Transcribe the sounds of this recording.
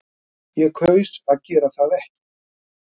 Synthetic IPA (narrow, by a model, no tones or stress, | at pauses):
jɛkʰœːɥsaðcɛːɾaθaðɛhcɪ̥